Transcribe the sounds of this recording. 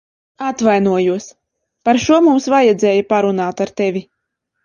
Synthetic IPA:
at̪vajnuɔjuɔs | paɾʃuɔmumsvajɛd̪zʲɛːjapaɾunaːt̪aɾt̪ɛvʲi

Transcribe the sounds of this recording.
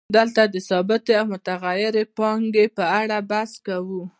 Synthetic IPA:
d̪əlt̪ad̪əsɑbɪt̪eawmʊt̪aɣajɪɾepɑŋɡepəaɽabaskawu

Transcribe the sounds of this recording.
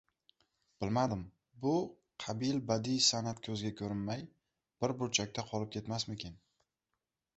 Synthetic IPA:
b̥ɪlmad̪ɪm | bʊ | qʰɑbilbad̪isanat̪kʲʰɵzɡʲakʲʰɵɾɪnmaj | b̥ɪɾbʊɾt͡ʃʰak̚ʲt̪ʰaqʰɒlˠɪp̚kʲʰe̞t̪masmɪkʲen

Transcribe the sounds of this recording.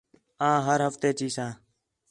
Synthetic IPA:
ãːɦəɾɦəft̪eːt͡ʃiːsãː

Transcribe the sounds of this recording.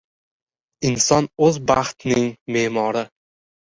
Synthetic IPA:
ɪnsɒnɵzbaχt̪nɪŋmeːmɒɾɪ

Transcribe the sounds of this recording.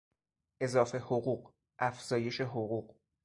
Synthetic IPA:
ʔe̞zɒːfe̞hoɣuːɢ | ʔæfz̥ɒːje̞ʃe̞ɦoɣuːɢ

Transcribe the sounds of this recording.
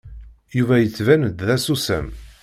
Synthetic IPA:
juvæjət͡sːvænəd̪ðæsusæ̰m

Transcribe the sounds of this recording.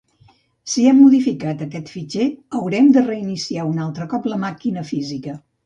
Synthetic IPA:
siɛmːuðifikat̪əkɛt̪fit͡ʃeəwɾɛmd̪ərəinisiaunalˠt̪ɾəkɔpləmakinəfizikə

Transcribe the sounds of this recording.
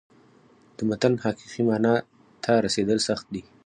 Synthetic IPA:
d̪̥əmat̪anhɑqiqimɑnɑ | t̪ʰaɾased̪əlsaxt̪̚d̪i

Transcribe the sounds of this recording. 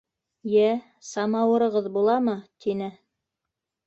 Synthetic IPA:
jæ | sɑmɑwɤ̆ɾɤ̆ʁɤðbulˠɑmɤt̪ʰinɘ

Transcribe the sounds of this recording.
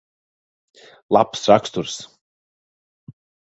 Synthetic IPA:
la̰psrakst̪uɾ̥s

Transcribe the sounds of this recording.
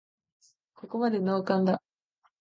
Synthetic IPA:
ko̞ko̞mad̪e̞no̞ːkãnd̪a

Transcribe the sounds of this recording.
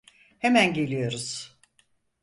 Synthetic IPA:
hemænɟe̞lʲijo̞ɾuz̥

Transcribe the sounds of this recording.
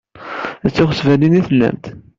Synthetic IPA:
æt͡sːɪχəsvæliniθəlːæ̰mt̪

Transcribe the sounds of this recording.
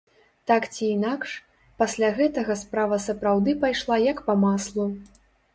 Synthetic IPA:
t̪akt͡sʲiːnakʂ | pasʲlʲaɣɛt̪ɐɣɐspɾavɐsɐpɾawd̪ɨpajʂlˠajɐkpɐmaslˠu

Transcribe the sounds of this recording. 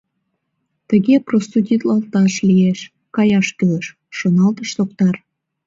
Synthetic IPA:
t̪əɣeprost̪ud̪ʲit̪lɑlt̪ɑʃlieʃ | kɑjɑʃkyləʃː | onɑlt̪əʃsok̚t̪ɑr

